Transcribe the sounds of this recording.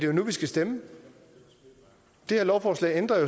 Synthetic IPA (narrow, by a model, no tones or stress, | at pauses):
dejonuʋisɡ̥æsd̥emə | d̥e̝heɐlɒʊfɒːslɛ̰ɪend̥ʁɐjo